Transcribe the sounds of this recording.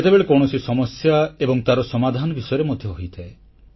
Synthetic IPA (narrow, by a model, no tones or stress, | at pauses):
et̪ebeɭekɔwɽ̃ɔsisɔmɔsjaebɔŋt̪aɾɔsɔmad̪ʱanɔbisɔjɔɾemod̪ʱjɔɦoijt̪ʰae